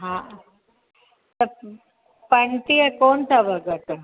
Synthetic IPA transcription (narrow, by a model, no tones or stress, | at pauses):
ɦãː | t̪ə | pɐɳʈ̪iekoːnt̪ʰabʱəɡət̪